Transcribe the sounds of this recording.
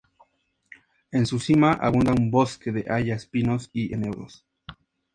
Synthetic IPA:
e̞nsusimaʔa̰βund̪aumboske̞ðeʔaʝaspino̞siʔenewɾo̰s

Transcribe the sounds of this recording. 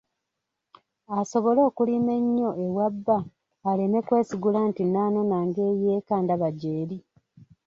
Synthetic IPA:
aso̞βo̞lo̞ːkulime̞ɲːo̞ʔewabːaː | leme̞kwe̞ːsiɡulantinaːno̞naːŋɡe̞ːjeːkaːndaβaɟeːɾi

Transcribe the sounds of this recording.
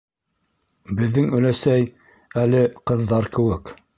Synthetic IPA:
bɘ̆ðːɘŋɵ̆læsæj | ælɘqɤ̆ðːɑɾkɘ̆wɘk

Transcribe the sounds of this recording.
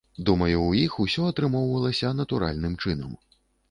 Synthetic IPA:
d̪umɐjuːjixusʲɔɐt̪ɾɨmɔwvɐlˠɐsʲɐnɐt̪uɾa̰lʲnɨmt͡ʂɨnɐ̰m

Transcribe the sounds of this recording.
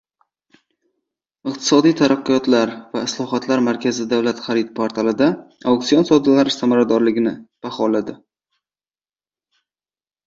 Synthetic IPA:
ɨq̚t̪ʰɪ̥sɒd̪ijt̪ʰaɾaqːʊjɒt̪laɾvaɪslˠɒɦɒt̪laɾmaɾkʲʰazɪd̪avlat̪χaɾɪt̪̚pʰoɾt̪ʰalˠɪd̪aawkt̪sijonsowd̪alaɾɪsamaɾad̪ɒɾlɪɡʲɪnɪb̥aχɒlad̪ɪ

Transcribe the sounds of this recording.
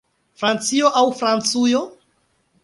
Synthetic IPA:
fɾant͡sioʔawfɾant͡sujo

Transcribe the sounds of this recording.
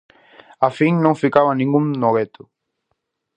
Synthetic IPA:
afiŋnõŋfikaβanĩŋɡuŋnoɣet̪ʊ̥

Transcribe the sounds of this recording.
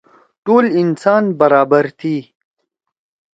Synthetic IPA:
ʈoːlɪnsɑːnbɐɾɑːbəɾt̪ʰi

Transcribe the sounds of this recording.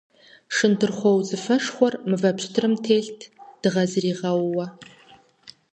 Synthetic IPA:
ʂɨntʰɨrχʷowzɨfɐʂχʷɔrmɨvɐpʰɕtʰrɨmtʰeːɬtʰd̥ɨʁɐzriːʁɐwːɐ

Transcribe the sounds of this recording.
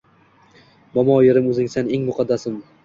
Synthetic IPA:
bɒmɒjɪɾɪmɵzɪŋsaneŋmʊqʰɑd̪ːasɪm

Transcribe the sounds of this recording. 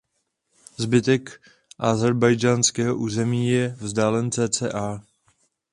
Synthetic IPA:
zbɪt̪ɛk | ʔazɛɾbajd͡ʒaːnskɛːɦoʔuːzɛmiːjɛvzdaːlɛnt͡sɛːt͡sɛ̰ːʔaː

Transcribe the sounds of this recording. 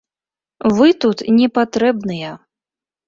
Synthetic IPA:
vɨt̪ut̪nʲɛpat̪ɾɛbnɨjɛ

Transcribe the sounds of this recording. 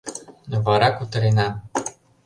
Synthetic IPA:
novɑɾɑkut̪ɤ̆ɾenɑ

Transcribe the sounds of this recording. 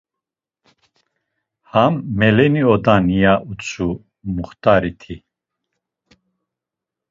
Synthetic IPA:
hamːɛlɛniɔd̪anijaʔut͡sʰu | muχt̪ʰʼaɾit̪ʰi

